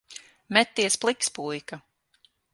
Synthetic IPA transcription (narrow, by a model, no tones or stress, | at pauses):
mɛt̪ːiɛsplˠikspujka